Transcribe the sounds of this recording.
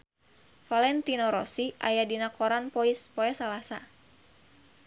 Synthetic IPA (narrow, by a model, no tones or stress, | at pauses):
falɛnt̪inɔɾɔsiʔa̰jadinakʰɔɾanpɔispɔɛsalasa